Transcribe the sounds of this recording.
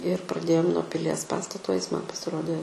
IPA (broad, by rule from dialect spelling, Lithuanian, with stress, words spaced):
ɪr prɐˈdʲeːjoːm nuɔ pʲɪˈlʲiɛs ˈpɑːstɐtoː ɪs mɐn pɐsʲɪˈroːdʲeː